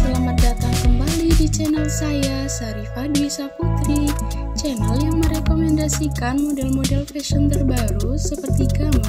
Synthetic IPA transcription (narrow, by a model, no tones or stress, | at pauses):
pəlamat̪̚dat̪aŋkəmbalidit͡ʃɛnalsajasaɾifadwisaput̪ɾi | t͡ʃɛnɛljaŋməɾɛkomɛndasikanmodɛlmodɛlfɛʃənt̪ərbaɾusəpərt̪ikama